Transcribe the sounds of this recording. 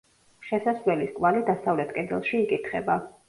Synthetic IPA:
ʃɛsasvlɛliskʼvalid̪asavlɛt̪ʰkʼɛd̪ɛlˠʃiːkʼit̪ʰχɛ̰ba

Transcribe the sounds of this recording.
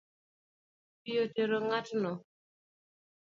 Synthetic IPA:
pijoteɾoŋatnɔ

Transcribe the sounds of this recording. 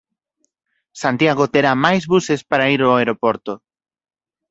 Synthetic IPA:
sant̪jaɣot̪eɾamajzβusespaɾaiɾoaeɾopoɾt̪o

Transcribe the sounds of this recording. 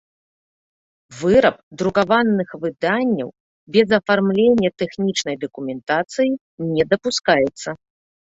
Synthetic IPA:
vɨɾɐp̚d̪ɾukavanːɨxvɨd̪anʲːɐ̰w | bʲɛzɐfarmlʲenʲːɐt̪ɛxnʲit͡ʂnɐjd̪ɐkumʲɛnt̪at̪sɨji | nʲɛd̪ɐpuskajɛt̪sːɐ

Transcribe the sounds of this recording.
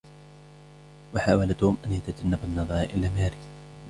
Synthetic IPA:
waħaːwalat̪uʊːmʔanjat̪ad͡ʒanːabanːɑðˤɑɾˤʔɪlamaːɾi

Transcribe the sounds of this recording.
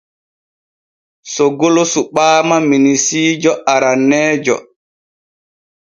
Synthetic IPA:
sɔɡolosuɓaːmaminisiːd͡ʒɔʔaɾanːɛːd͡ʒɔ̰

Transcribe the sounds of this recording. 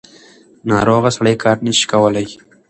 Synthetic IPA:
nɑːɾoɣasaɽajkʰɑːɾnəʃi̥kawəlaj

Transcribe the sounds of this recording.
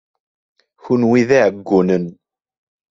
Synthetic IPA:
çunwiðiʕəɡːunən

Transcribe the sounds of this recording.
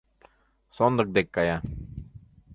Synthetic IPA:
soːnd̪ək̚d̪ekːaja

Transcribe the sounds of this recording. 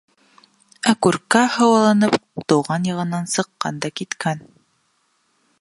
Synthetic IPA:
ækʉɾkæhɤ̆wɑlˠɑnɤpt̪ŏwʁɑnjɤ̆ʁɤ̆nːɑnsɤ̆qːɑ̰nd̪ɑkit̪kæn

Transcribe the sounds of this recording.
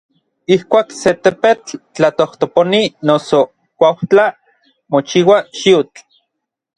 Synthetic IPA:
ihkʷaːkset̪epet͡ɬt͡ɬat̪oht̪oponinoso | kʷawt͡ɬa | mot͡ʃiwaʃiut͡ɬ

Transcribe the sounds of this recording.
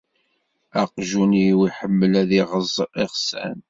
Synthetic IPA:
æqʒuniwiħəmːəlæðiʁəzˤiʁsæ̰n

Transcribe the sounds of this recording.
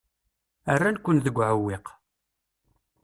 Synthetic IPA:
ərːankʷːənðəɡʷːʕəwːiq

